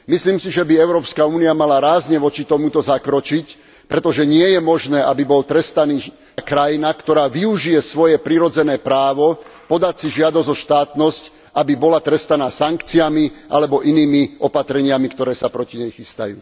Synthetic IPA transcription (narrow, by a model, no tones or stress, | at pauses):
misliːmsiʒɛbiɛʊɾɔːpskauːniamalaɾaːzɲɛʋɔt͡ʃit̪ɔmut̪ɔzakɾɔt͡ʃic | pɾɛt̪ɔʒɛɲɪɛjɛmɔʒnɛːʔabibɔlt̪ɾɛst̪aniː | kɾajinakt̪ɔɾaːʋiuʒijɛsʋɔjɛpɾiɾɔd͡zɛnɛːpɾaːʋɔpɔd̪acsiʒɪad̪ɔzɔʃt̪aːt̪nɔsc | abibɔlat̪ɾɛst̪anaːsaŋkt͡siamiʔa̰lɛbɔʔiniːmiʔɔpat̪ɾɛɲɪamikt̪ɔɾɛːsapɾɔciɲɛjxist̪a̰jṵː